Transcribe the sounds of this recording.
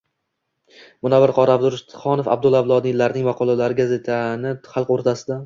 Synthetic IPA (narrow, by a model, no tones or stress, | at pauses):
mʊnabɪɾqʰɒɾabd̪ʊɾʃt̪χɒnofa̰b̚d̪ʊlˠavlˠɒd̪ɪlaɾnɪŋvɑqʰɒlˠalaɾɪɡʲaze̞t̪ʰanɪχɑlˠqoɾt̪ʰasɪd̪a